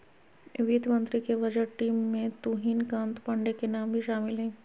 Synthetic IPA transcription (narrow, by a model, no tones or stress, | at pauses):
ʋid̪mə̃nt̪ɾikeʋɐd͡ʒəɾʈiːmːẽt̪uɦiːnkãːnt̪pɐ̃ɳɖekenaːmbʱiʃaːmɪlɦɛ̃ː